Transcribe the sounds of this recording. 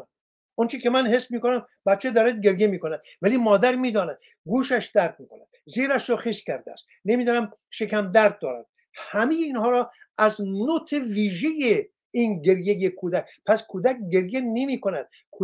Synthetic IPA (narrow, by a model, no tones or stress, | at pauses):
ʔont͡ʃʰikʰemænhesbmiːkonæm | bæt̪̚t͡ʃʰed̪ɒːɾæd̪̚ɡe̞ɾjemiːkonæd̪̥ | væliːmɒːd̪æɾmiːd̪ɒːnæd̪̥ | ɡuːʃæʃd̪æɾd̪̚miːkʰonæ̰d̪̥̚ziːɾæʃɾoxiskʲʰæɾd̪eæ̰st̪ | nemiːd̪ɒːnæm | ʃekʰæmd̪æɾd̪̚ːɒːɾæ̰d̪̚ | hæmejeinhɒːɾɒːʔæznot̪ʰeviːʒeje | inɡe̞ɾjejekʰuːd̪ækpʰæskʰuːd̪æk̚ɡe̞ɾjenemiːkonæd̪̥̚ | kʰu